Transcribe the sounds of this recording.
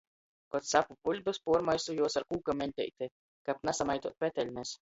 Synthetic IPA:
kɔt̪sapupulʲbɨspuɔɾmajsujuɔsaɾkuːkamʲɛnʲt̪ʲɛ̰jt̪e | kapnasamajt̪uɔt̪̚pʲɛt̪ɛlʲmɛs

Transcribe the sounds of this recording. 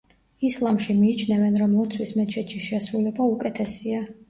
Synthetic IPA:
islˠamʃimiːt͡ʃʰnɛvɛnɾɔmlɔt̪sʰwismɛt̪t͡ʃʰɛt̪ʃiʃɛsɾulɛbaukʼɛt̪ʰɛsia

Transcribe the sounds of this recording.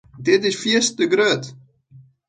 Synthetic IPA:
dɪtɪsfiəstəɡɾøət

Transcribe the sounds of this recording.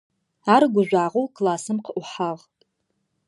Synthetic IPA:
aɾɡʷʊʒʷaːʁowkʰlasɨmqʰəʔʷʊħaʁtʼ

